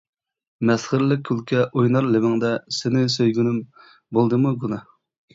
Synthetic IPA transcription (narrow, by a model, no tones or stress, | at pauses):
mɛsχəɾlɪk̚ʲʰːylkʲɛʔojnɑɾlɪmɪŋd̪ɛsɪnɪsøjɡʲynɪm | bolˠd̪ɨmuɡunɨ